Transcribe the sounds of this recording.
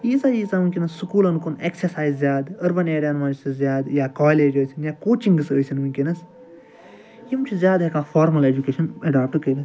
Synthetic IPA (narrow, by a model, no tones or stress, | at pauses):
iːsaːjiːsaːmunʲkʲinɐsːukuːlɐnkoneksɐɾsaːjzzʲjaːd̪ɐɾbɐneːɽaːnʋaːd͡ʒsizjaːd̪jaːkaːleːd͡ʒəːjsʲinjaːkoːt͡ʃiŋɡsəːjsinmunʲkʲinɐs | jimt͡ʃʰizjaːd̪ɦekaːfaːɾmɐled͡ʒukeːʃɐnɐɖaːp̚ʈɨkəɾɐ